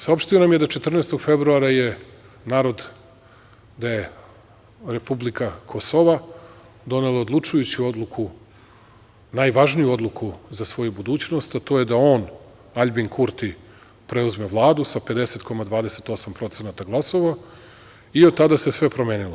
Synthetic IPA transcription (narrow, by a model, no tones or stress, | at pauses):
sao̞pʃt̪ionamje̞d̪at͡ʃe̞t̪r̩nest̪oɡfe̞bɾuaɾaje̞ | naːɾo̞d̪ | d̪aje̞ | ɾe̞publikakʰo̞so̞ʋa | d̪o̞ne̞lˠaod̪lˠut͡ʂujut͡ɕio̞d̪lˠuku | najʋaʒnijuo̞d̪lˠukʰuzasʋo̞jubud̪uːt͡ɕno̞st̪at̪o̞je̞d̪ao̞ːn | aʎʲbiŋkʰuɾt̪i | pɾe̞uzme̞ʋlˠaːd̪usape̞d̪e̞se̞t̪kʰo̞mad̪ʋaːd̪e̞se̞t̪o̞sampɾo̞t̪se̞nat̪aɡlˠaso̞ʋa | iot̪t̪ːad̪ase̞sʋe̞pɾo̞me̞ːnilˠo